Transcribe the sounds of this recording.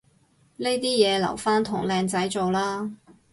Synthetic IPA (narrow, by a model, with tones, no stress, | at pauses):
ne˥jt̪iː˥jɛː˨˧lɐ̰˨˩wfaː˥nt̪ʰʊ˨˩ŋlɛː˨˧ŋt͡sɐ˨˥jt͡so˨wlaː˥